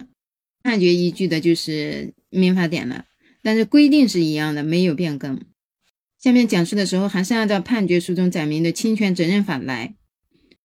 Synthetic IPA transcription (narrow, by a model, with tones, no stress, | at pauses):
pʰa˥˩nt͡ɕɥɛ˧˥i˧˥t͡ɕy˥˩d̪ə˩t͡ɕjo˥˧ʊʂɻ̩˥˩ | mi˧˥nfa˧˥t̪̬jɛ̰˨˩nlə̰˦ | t̪a˥˧nʂɻ̩˥˩kwe˥ɪt̪̬i˥˧ŋʂɻ̩˥˩i˧˥jɑ˥˩ŋd̪ə˩me˧˥ɪjo˨˩ʊpjɛ˥˩nkɤ˥ŋ | ɕjɑ˥˧mjɛ˥˩nt͡ɕjɑ˨˩ŋʂu˥˩d̪ə˩ʂɻ̩˧˥xo˧ʊxa˧˥nʂ̩˥˧jt̪ɑ˥˧ʊpʰa˥˩nt͡ɕɥɛ˧˥ʂu˥˩ʈ͡ʂʊ˥ŋt͡sa˨˩ɪmi˧˥ŋd̪ə˧t͡ɕʰi˥ŋt͡ɕʰɥɛ˧˥nʈ͡ʂə˨˩nɻə˥˩nfa˨˩la̰˧˥ɪ